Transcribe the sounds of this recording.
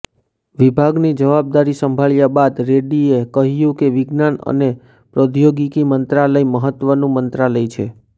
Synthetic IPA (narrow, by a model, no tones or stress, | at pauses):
ʋibʱaɡnid͡ʒəʋab̚d̪aɾisəmbʱaɭjabad̪ɾeɖiekəɦjũkeʋɪɡnanə̰ne | pɾod̪ʱjoɡikimənt̪ɾaləiməɦət̪ʋənũmənt̪ɾaləit͡ʃʰḛ